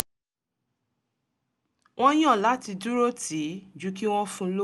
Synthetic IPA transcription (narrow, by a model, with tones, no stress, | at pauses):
w̃ɔ̃˦j̃ã˦˨la˨˦ti˧du˦ɾo˦ti˨˦d͡ʒu˨˦ki˦w̃ɔ̃˦fũ˦lo˦